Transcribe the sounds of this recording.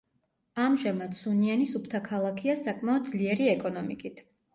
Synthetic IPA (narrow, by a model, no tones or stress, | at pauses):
amʒamad̪sunianisupʰt̪ʰakʰalˠakʰiasakʼmaɔd̪̚d̪zliɛɾiɛkʼɔnɔmikʼit̪ʰ